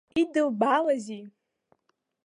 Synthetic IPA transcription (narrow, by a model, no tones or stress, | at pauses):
idɨlbalazi